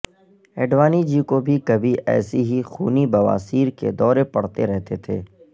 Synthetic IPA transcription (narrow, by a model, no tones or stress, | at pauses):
ɛːɖʋaːnid͡ʒikobʱikɐbʱiʔɛ̰ːsiɦixṵːnibɐʋa̰ːsiːɾkḛd̪ɔːɾepɐɽ̤t̪eɾɛɦt̪et̪ʰḛː